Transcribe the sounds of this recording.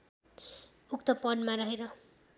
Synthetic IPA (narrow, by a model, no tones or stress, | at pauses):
uk̚t̪ʌpʌnmaɾʌɦeɾʌ